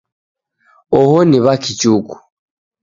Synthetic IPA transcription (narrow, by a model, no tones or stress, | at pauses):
ɔhɔniβakʰit͡ʃuku̥